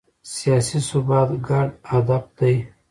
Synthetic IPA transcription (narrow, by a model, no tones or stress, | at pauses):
sijɑsisʊbɑt̪ɡaɖad̪ab̚d̪aj